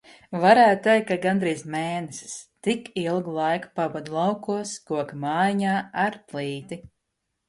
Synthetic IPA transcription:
vaɾæːt̪̚t̪ɛjkːaɡand̪ɾiːzmɛːnɛsi̥st̪ikilˠɡlˠajkpabad̪lˠawkuɔskuɔkmaːjiɲaːaɾpliːt̪i

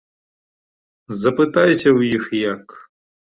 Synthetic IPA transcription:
zɐpɪt̪ajsʲɐwjixjɐk

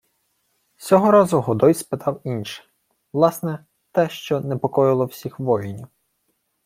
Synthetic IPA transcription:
sʲɔɦɔɾɑzʊɦɔd̪ɔjspɪt̪ɑwinʃɛ̥ | ʋlˠɑsnɛ | t̪ɛʃt͡ʃɔnɛpɔkɔjɪlˠɔwsʲixʋɔjenʲiw

